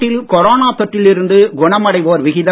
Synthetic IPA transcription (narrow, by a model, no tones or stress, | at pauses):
ɪlkɔɾoːnaːt̪ɔʈːɪlɪɾɯnd̪ɯɡʊɳɐmɐɽɐɪʋoːɾʋɪɣɪðɐ